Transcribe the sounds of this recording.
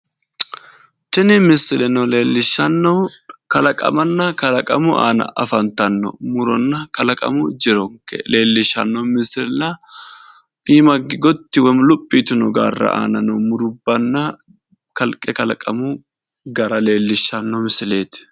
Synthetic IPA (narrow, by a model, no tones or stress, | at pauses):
t͡ʃɪnɪmɪsɪlɛnɔleːlːɪʃːɐnːɔkɐlɐkʼɐ̰mɐnːɐkɐlɐkʼɐmʊʔa̰ːnɐ̰ʔɐfɐnt̪ɐnːɔ̰mʊɾɔnːɐkɐlɐkʼɐ̰mʊd͡ʒɪɾɔŋkɛ̰le̞ːlːɪʃɐnːɔmɪsɪlɛlɐ | iːmɐɡɪɡɔt̪ːɪwɔmlʊpʼːiːt̪ʊnɔɡa̰ːrːɐ̰ʔa̰ːnɐnɔmʊɾʊbːɐnːɐ | kɐlkʼɛkɐlɐkʼɐmʊ | ɡɐɾɐle̞ːlːɪʃːɐnːɔmɪsɪle̞ːt̪ɪ̥